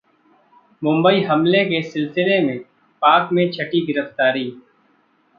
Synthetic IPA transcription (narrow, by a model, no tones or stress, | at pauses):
mʊ̃mbəiɦɐmlekesɪlsɪlemẽ | paːkmẽt͡ʃʰɐʈiɡɪɾəft̪aːɾiː